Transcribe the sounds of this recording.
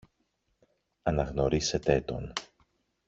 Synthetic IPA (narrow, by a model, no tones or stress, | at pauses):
ɐnɐɣno̞ɾise̞t̪e̞t̪o̞̰n